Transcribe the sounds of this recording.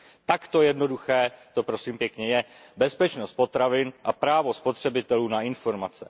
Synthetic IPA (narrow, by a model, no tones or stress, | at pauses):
t̪akt̪o̞jɛdno̞duxɛːt̪o̞pɾo̞siːmpjɛkɲɛjɛbɛspɛt͡ʃno̞st̪̚po̞t̪ɾavɪnʔapɾaːvo̞spo̞t̪r̝̥ɛbɪt̪ɛluːnaɪnfo̞ɾmat͡sɛ